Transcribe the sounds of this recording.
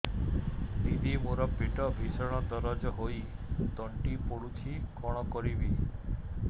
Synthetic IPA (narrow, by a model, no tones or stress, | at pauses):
d̪id̪ʱimoɾɔpiʈɔbʱisɔɽ̃ɔd̪ɔɾɔd͡ʒɔɦojt̪ɔɳʈipoɽut͡ʃʰikɔɽ̃ɔkɔɾibi